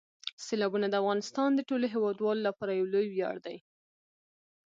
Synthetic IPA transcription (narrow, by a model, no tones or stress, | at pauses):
selɑbunad̪əafɣɑnɪst̪ɑnd̪əʈoloɦewɑd̪wɑlolapɑɾajawlojwjɑ̰ɽd̪aj